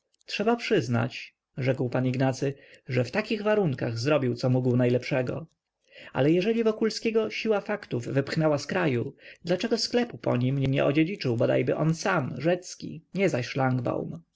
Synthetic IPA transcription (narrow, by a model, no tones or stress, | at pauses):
tʂɛbapʂɘzna̰t͡ɕ | ʐɛkwpaniɡnat̪sɘʐɛft̪akʲiɣvaɾuŋkaɣzɾɔbʲiwt̪sɔmuɡwnajlɛpʂɛɡɔ̰ | a̰lɛjɛʐɛlʲivɔkulskʲɛɡɔɕiwafakt̪uvːɘpxnɛwaskɾajud̪lat͡ʂɛɡɔsklɛpupɔ̰ɲimɲɛɲɛ̰ʔɔd͡ʑed͡ʑit͡ʂɘwbɔd̪a̰jbɘʔɔnsamʐɛt̪skʲḭɲɛzaɕʂlaŋɡba̰wm